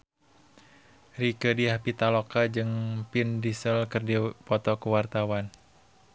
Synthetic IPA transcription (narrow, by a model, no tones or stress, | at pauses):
rikədiɦapit̪alɔkad͡ʒɨŋpindisəlkɨrdipɔt̪ɔkəwart̪awan